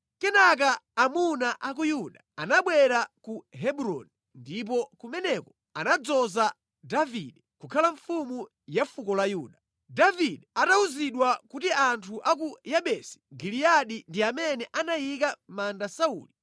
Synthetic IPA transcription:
kɛnak̬aːmunaʔak̬ujuɗaanaɓwɛɾakuɦɛɓuɾɔ̰ni | ndip̬ɔkumɛnɛkɔ | anad͡zɔza | daviɗɛkukʰalaɱfumu | jafukɔlajuːɗa | daviɗɛatauziɗwakutiantʰuʔak̬ujaɓɛsi̥ɡiliaɗindiamɛnɛʔanajik̬amandasaṵːli

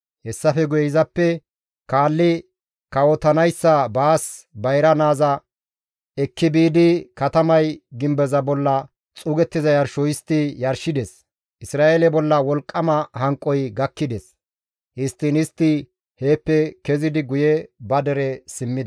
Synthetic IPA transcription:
hɛsːɐfɛɡʊjɛɪzɐpːɛ | kaːlːɪ | kɐwɔt̪ɐnɐjsːɐbaːsbɐjɾɐnaːzɐ | ɛkːɪbiːd̪ɪkɐt̪ɐmɐjɡɪmbɛzɐbɔlːɐ | t͡sʼʊɡɛt̪ːɪzɐjɐɾʃɔjɪst̪ːɪjɐɾʃɪd̪ɛs | ʔɪsɾaːʔelɛbɔlːɐwɔlkʼːɐmɐhɐŋkʼːɔjɡɐkːɪd̪ɛs | ʔɪst̪ːɪnɪst̪ːɪ | heːpːɛkɛzɪd̪ɪɡʊjɛbɐd̪ɛɾɛsɪmːɪd̪ɐ

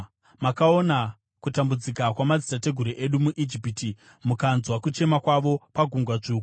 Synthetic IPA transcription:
makao̞na | kutambud͡zikakwamad͡zitate̞ɡʱuɾiʔe̞ɗumuʔid͡ʒipiti | mukanzwakut͡ʃe̞makwaʋo̞paɡʱuŋɡwat͡ʂuːku

